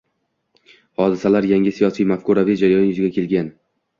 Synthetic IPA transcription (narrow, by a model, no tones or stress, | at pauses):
hɒd̪ɪsalaɾjaŋʲɪsijɒsijmafkʊɾavijd͡ʒaɾajɒnjʊzɪɡʲakʰʲe̞lɡʲan